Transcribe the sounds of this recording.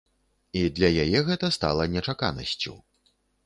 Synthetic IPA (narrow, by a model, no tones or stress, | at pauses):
id̪lʲɐjajɛɣɛt̪ɐst̪a̰lˠɐnʲɛt͡ʂaka̰nɐ̰sʲt͡sʲṵ